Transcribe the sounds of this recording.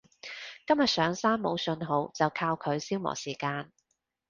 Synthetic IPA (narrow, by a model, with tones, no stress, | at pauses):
kɐ˥mjɐ˨t̚sœː˨˧ŋsaː˥mːo˨˧wsɵ˧nɦo˨˧wt͡sɐ˨wkʰaː˧wkʰɵ˨˧ɥsiː˥wmɔ̰ː˨˩siː˨˩kaː˧n